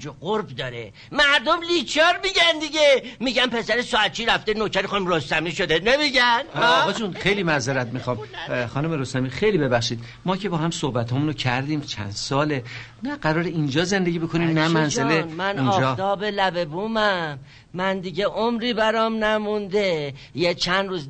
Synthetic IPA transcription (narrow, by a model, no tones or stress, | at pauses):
d͡ʒoɡoɾbd̪ɒːɾḛ | mæɾd̪omlit͡ʃʰɒɾmiɟænd̪iɟemiɟænpʰe̞sæɾesɔæt̪̚t͡ʃʰiːɾæft̪enokʰæɾixɔnmɾost̪æmiːʃod̪enemiɟænːɣɒd͡ʒunxejliːmæzeɾæt̪mixɒːmχɒːnumeɾost̪æmixejliːbe̞bæχʃiːd̪̥ | mɒːcʰe̞bɒːɦæmsohbæt̪ʰɒːmunocʰæɾd̪iːmt͡ʃʰæ̰nd̪̥sɒːle | næɢæɾɒːɾeind͡ʒɒːze̞nd̪e̞ɟʲibekʰoniːmnæmænzelemæniːnɒd͡ʒːɒːt̪ʰɒːbe̞læbe̞buːmæmː | ænd̪iɟeʔomɾiːbæɾɒːmnæmund̪ejet͡ʃʰænd̪ɾuːz